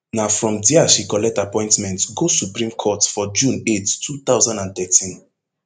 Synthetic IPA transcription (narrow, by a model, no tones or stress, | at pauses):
nafɹɔ̃mdiaʃikɔlɛk̚tapɔ̃ɪ̃ntmɛ̃ntɡosupɹĩmkʰɔtfɔd͡ʒũnettʰːut̪aʊzãndãnt̪ɛtĩn